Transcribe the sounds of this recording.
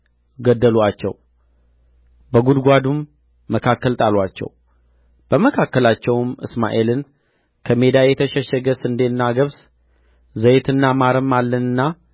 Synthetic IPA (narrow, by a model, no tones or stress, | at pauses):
ɡəd̪ːəlwat͡ʃːɛ̰w | bəɡud̪ɡʷad̪umː | əkʰakːəlt̪ʼalwat͡ʃːɛ̰w | b̥əməkʰakːəlat͡ʃːɛwmɨsma̰ʔelɨn | kʰəme̞d̪ajɛt̪ʰəʃɛʃɛɡəsɨnd̪enːaɡəβs | zəjet̪ʰɨnːamaɾəmːalːənɨnːa